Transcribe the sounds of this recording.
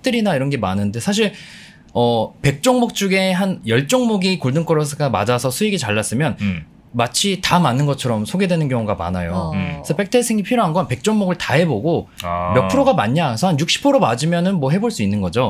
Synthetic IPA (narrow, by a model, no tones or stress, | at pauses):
k̚t͈ʰɯɾinaiɾʌnɡe̞manɯnde̞sʰaɕ̬ʰiɭ | ʌpe̞k̚t͡ɕ͈oŋmok̚t͡ɕ͈uɡe̞ɦanjʌɭt͡ɕ͈oŋmoɡikoɭdɯŋk͈ʌɾʌsʰɯɡama̰d͡ʑasʰʌsʰuiɡit͡ɕaɭːas͈ɯmjʌn | mat͡ɕʰitamanːɯnɡʌt͡ɕʰʌɾʌmsʰoɡe̞dwenɯnɡjʌŋuɡama̰najosʰʌpe̞k̚tʰesʰeŋipʰiɾjoɦanɡʌnpe̞k̚t͡ɕ͈oŋmoɡɯɭtaɦe̞boɡomjʌpʰɯɾoɡamaɲːaesʰʌhanjuk̚ɕ͈i̥pʰoɾomad͡ʑimjʌnɯnmwʌɦe̞boɭs͈uinːɯnɡʌd͡ʑo